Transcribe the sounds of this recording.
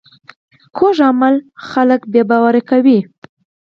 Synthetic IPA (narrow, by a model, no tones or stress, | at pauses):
kʰoʒamalxaləkbjebɑwaɾakawi